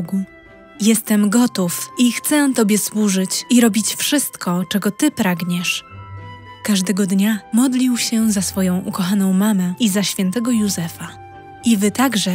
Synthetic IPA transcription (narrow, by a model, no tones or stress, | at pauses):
ɡu | jɛst̪ɛmɡɔt̪ufixt̪sɛt̪ɔbʲjɛswuʐɘt͡ɕiɾɔbʲit͡ɕfʂɘst̪kɔt͡ʂɛɡɔt̪ɘpɾaɡɲɛʂ | kaʐd̪ɛɡɔd̪ɲamɔd̪lʲiwɕɛzasfɔjɔ̃w̃ʔukɔxanɔ̃w̃mamɛʔizaɕfʲjɛnt̪ɛɡɔjuzɛfa | ivɘt̪aɡʐɛ